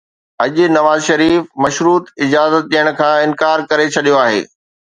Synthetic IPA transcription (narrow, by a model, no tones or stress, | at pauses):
ɐʄnɐʋaːzʃɐɾiːfmɐʃɾuːt̪ɪd͡ʑaːzət̪̚ɗijəɽ̃kʰãːɪ̃nkaːɾkɐɾet͡ɕʰɐɗijoaːɦḛː